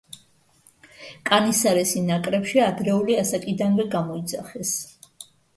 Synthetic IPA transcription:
kʼanisaɾɛsinakʼɾɛpʃiad̪ɾɛuliasakʼid̪anvɛɡamɔid̪zaχɛs

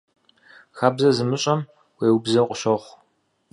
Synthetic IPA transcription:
xaːbzɐzɨmɨɕʼɐm | weːwʊbzɐqʷʼʊɕɐχʷ

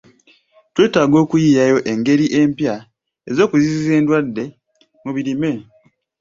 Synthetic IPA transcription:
twe̞ːtaːɡo̞ːkujiːjajo̞ʔe̞ŋɡe̞ɾiʔe̞mpja | ezo̞ːkuzizize̞ːndwadːe̞ | muβiɾime̞

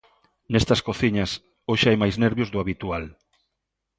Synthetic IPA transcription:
nest̪ɐskoθiɲɐs | oʃajmajzneɾβjʊzðʊaβit̪ual

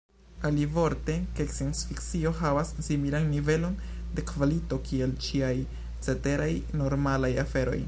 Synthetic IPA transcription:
alivo̞ɾte̞keksionsfiksio̞ɦavasːimilanːive̞lo̞n | de̞kvalito̞kie̞lt͡ʃiaj | t͡se̞te̞ɾajno̞ɾmalajafe̞ɾo̞̰j

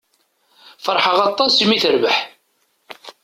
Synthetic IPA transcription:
fəɾˤħəʁɑt̪ˤːɑsmiθəɾvəħ

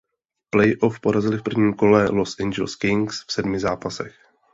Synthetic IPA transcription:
plɛjʔo̞fpo̞ɾazɪlɪfpr̩vɲiːmko̞lɛlosʔɛɲd͡ʒɛlskɪŋksfsɛdmɪzaːpasɛ̰x

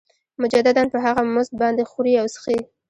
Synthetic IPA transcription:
mʊd͡ʒad̪ad̪anpəɦaɣamʊzt̪̚bɑnd̪exuɾiawsə̥xi

